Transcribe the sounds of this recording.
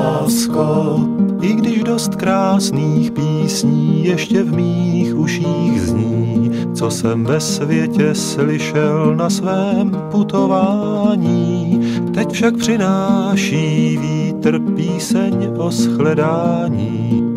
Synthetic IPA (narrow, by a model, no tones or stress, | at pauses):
askoʔɪɡdɪʒdo̞st̪kɾaːsniːxpiːsɲiːjɛʃcɛvmiːxʔuʃiːɣzɲiː | t͡sosɛmvɛsvjɛcɛslɪʃɛlnasvɛːm | put̪o̞vaː | ɲiːt̪ɛcfʃak̚pr̝̥ɪnaːʃiːviːt̪r̩piːsɛɲ | ʔosxlɛdaː | ɲiː